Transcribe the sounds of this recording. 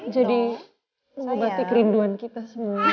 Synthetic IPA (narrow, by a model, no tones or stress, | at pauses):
d͡ʒadi | məobat̪ikəɾinduankit̪asəmua